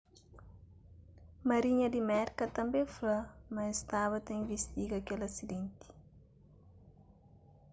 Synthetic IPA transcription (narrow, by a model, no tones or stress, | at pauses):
mɐɾiɲɐd̪imɛɾkɐt̪ɐ̃mbẽflɐmɐest̪aβɐt̪ɐĩvist̪iɡɐkelɐsid̪ẽnt̪i̥